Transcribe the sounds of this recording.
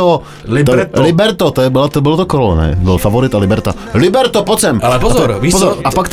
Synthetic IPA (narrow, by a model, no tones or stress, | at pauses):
ɔ | llibɛɾt̪ɔt̪ɔjɛbɪlat̪ɔbɪlɔt̪ɔkɾɔlɛ̰nɛ̰bɪlfavɔɾɪt̪alibɛɾt̪a̰ | libɛɾt̪ɔpɔt͡sɛmalɛpɔzɾviːpɔzɔɾapakt̪